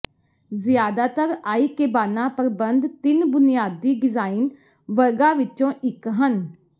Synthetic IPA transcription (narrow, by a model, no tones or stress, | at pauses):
zɪjaːd̪aːt̪əɾaːiːkeːbaːnãːpəɾbənd̪t̪ɪnbʊnɪjaːd̪ːiːɖɪzaːin | ʋəɾɡaːʋɪt͡ʃõːʔɪkɦən